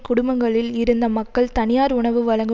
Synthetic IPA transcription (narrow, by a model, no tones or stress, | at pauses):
kʊɽʊmbɐŋɡɐɭɪlɪɾɯnd̪ɐmɐkːɐɭt̪ɐnɪjaːɾʊɳɐʋɯʋɐɻɐŋɡɯ